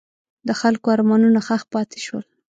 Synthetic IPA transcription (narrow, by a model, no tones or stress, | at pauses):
d̪əxalkoaɾmɑnunaxaxpɑt̪e̥ʃwə̰l